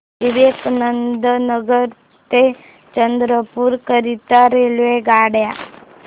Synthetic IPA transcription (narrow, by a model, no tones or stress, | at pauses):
iʋeknənd̪ənəɡəɾ | t̪e | t͡ʃənd̪ɾəpuɾkəɾit̪aɾelʋeɡaːɽja